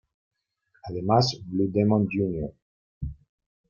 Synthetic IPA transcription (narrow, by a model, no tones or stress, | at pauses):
aðemasblud̪ɛmɔ̃nd͡ʒunjɔ